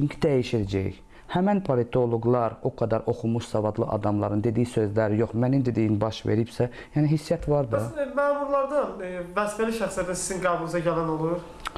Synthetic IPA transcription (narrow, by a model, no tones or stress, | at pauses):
yɲcʰid̪æjiʃiɾæd͡ʒæ̰j | hæmænpʰolit̪ʰo̞lˠoɡlˠɑɾo̞kʰɑd̪ɑɾʔo̞xumuʃsɑvɑd̪lˠɯʔɑ̰d̪ɑmlˠɑɾɯnd̪e̞d̪ijisøzlæɾjo̞χmænind̪ed̪ijinbɑʃvḛɾibsæ | jæniɦisːijæt̪ʰvɑɾd̪ɯmæːmuɾlˠɑɾd̪ɑnvæsfæliʃæxsijæt̪ʰænsiziŋɡɑːbulɯzɑɟælæno̞lˠuɾ